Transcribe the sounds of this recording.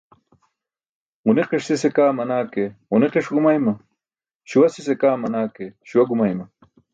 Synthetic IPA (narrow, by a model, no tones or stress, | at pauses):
uneqiʂsisekaːmɐnaːkeuneqiʂɡumajmɐ | ɕuwɐsisekaːmɐnaːkeɕuwɐɡumajmɐ